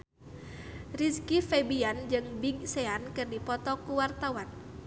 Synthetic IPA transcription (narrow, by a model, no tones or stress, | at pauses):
riskifɛbiand͡ʒɨŋbiɡ̚sɛankɨrdipɔt̪ɔkuwart̪awan